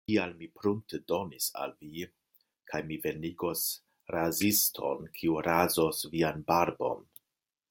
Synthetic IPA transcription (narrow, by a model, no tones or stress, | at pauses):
kialmipɾun̚tedo̞nisa̰lvi | kʰajmive̞niɡo̞s | ɾazistʰo̞̰nkʰiuɾazosvianbaɾbo̞̰n